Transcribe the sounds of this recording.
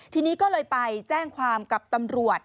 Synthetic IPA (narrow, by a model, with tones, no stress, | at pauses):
t̪ʰiː˧niː˦˥kɔː˥˩lɤː˧jpa˧jt͡ɕɛː˥˩ŋkʰwaː˧mka˨˩p̚t̪a˧mɾu˨˩ət̪̚